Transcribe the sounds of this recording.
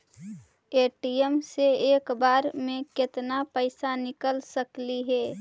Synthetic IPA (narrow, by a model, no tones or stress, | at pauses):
eːʈijəmseeːkbaːɾmẽkɪt̪napəɪsanɪkəlsəkliɦɛː